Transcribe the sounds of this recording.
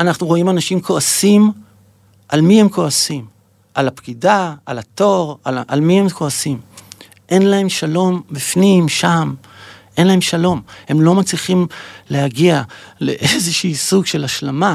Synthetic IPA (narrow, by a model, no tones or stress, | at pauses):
anaχnuʁo̞imanaʃimkʰo̞asim | ʔalmiemko̞asim | ʔalapkidaalato̞ʁala̰lmihe̞mkʰo̞asim | ʔe̞nlae̞mʃalo̞mbifnimʃam | ʔe̞nlahe̞mʃalo̞mhe̞mlo̞mat͡sliχimle̞haɡiale̞̰ʔezeʃiːsuɡʃe̞laʃlama